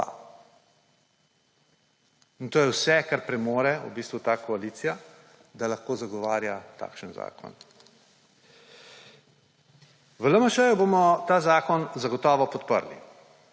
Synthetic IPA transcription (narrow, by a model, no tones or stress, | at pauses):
a̰ | int̪oːjɛwsɛkaɾpɾɛmoːɾɛṵbiːst̪ʋut̪aːkɔaliːt̪sija | d̪alaxkoːzaɡɔʋaːɾjat̪a̰ːkʃənza̰ːkʰɔ̰n | ʋələmɐʃəjubomɔt̪aːzaːkɔnzaɡɔt̪ɔːʋɔpɔt̪pə̰ɾlḭ